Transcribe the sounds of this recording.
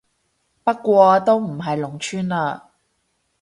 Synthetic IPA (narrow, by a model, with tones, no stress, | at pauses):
pɐ˥t̚kːʷɔː˧t̪o˥wm̩˨˩ɦɐ˨jlʊ˨˩ŋt͡ʃʰyː˥nlaː˧